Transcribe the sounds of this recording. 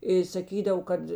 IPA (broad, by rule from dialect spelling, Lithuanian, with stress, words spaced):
ɪ sɐˈkʲiːdɐw ˈkɐt